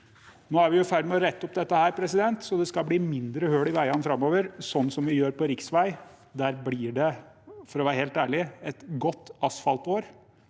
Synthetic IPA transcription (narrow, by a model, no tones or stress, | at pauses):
noːæɾʋɪjʊfæɾd̪mɛɔɾɛt̪ːɔp̚d̪ɛt̪ːəhæːɾpʰɾɛsɪd̪ɛnt̪sɔd̪ɛskɑlbliːmɪnd̪ɾəhøːɽɪʋæɪɑnfɾɑmːoːʋəɾsɔnːsɔmʋɪjøːɾpɔɾɪksʋæɪ | d̪æːɾblɪːɖɛfɔɾɔʋæːɾəheːlt̪æːɭɪɛt̪ɡɔt̪ːɑsfɑlt̪oːɾ